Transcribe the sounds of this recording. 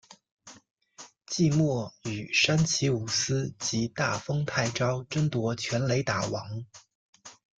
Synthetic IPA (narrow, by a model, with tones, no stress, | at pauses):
t͡ɕi˥˧mwɔ˥˩y˨˩ʂa˥nt͡ɕʰi˧˥u˨˩sɹ̩˥t͡ɕi˧˥t̪a̰˥˩fɤ˥ŋt̪ʰa˥˩ɪʈ͡ʂɑ˥ʊʈ͡ʂə˥ŋt̪wɔ˧˥t͡ɕʰɥɛ˧˥nle˧˥ɪt̪a˨˩wɑ˧˥ŋ